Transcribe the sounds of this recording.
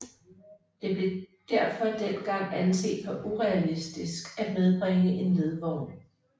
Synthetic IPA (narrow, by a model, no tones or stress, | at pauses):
d̥e̝b̥le̝d̥æɐ̰fɒ̽d̥en̰ɡ̥ɑ̈ŋ̰ænse̝̰ːd̥ʋɒʔuʁɛælisd̥isɡ̥æ̥með̞ˠb̥ʁeŋəʔe̝nle̝ð̞ˠʋɒʊ